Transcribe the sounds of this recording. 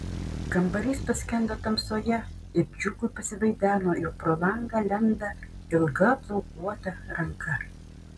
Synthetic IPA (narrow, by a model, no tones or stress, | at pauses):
kɐmbɐɾʲiːspɐsʲkʲɛnd̪ɐt̪ɐmsoːjɛ | ɪbʲd͡ʒʲʊkʊɪpɐsʲɪʋɐɪd̪ʲæːnoːɪʊpɾoːlˠɐŋɡɐːlʲɛnd̪ɐ | ɪlˠɡɐb̪lˠɐʊk̚uɔt̪ɐɾɐŋkʰɐ